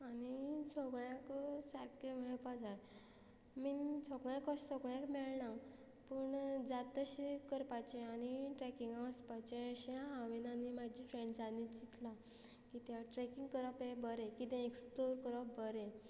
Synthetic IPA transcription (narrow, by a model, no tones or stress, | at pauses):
anisɔɡɭjãksəɾkemɛɭpad͡zaj | mit͡sʰɔɡɭjakɔɕsɔɡɭjãkmɛɭna | pəɳd͡zat̪əɕikəɾpat͡ɕẽaniʈɾɛkiŋɡaəspat͡ɕẽəɕaɦaʋinanimad͡ʑifɾẽɳɖsanid͡ʑit̪la | kit̪jãʈɾɛkiŋɡkəɾɔpebəɾɛ̃kit̪ɛ̃eksploɾkəɾɔp̚bəɾɛ̃